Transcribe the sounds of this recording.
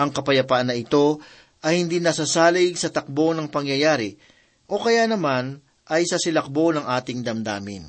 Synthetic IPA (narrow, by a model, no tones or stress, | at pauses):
ʔɐŋkɐpɐjɐpaʔɐnːɐʔɪt̪o̞ | ʔɐjhɪnd̪inɐsɐsaːlɪɡsɐt̪ɐk̚bo̞nɐŋpɐŋjɐjaːɾɪ | ʔo̞kɐjanɐman | ʔɐjsɐsɪlɐk̚bo̞nɐŋʔaːt̪ɪŋd̪ɐmd̪a̰ːmɪ̰n